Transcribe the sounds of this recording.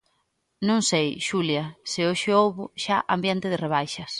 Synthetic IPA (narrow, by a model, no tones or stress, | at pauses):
nõŋsejʃuljɐsɪoʃɪowβʊʃaʔɐmbjɛnt̪ɪðɪreβ̞ajʃɐs